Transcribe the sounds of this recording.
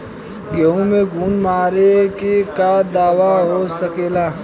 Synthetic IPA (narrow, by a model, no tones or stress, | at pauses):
ɡeɦũmẽɡʱuːnmaːɾekekad̪aːʋaɦosɐkeːlaː